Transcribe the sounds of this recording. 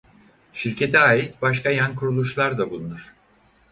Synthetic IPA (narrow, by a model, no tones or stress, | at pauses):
ʃiɾcʰe̞t̪ʰɛaːit̪̚baʃkʰajankʰuɾulˠuʃlˠaɾd̪abulˠunuɾ̝̥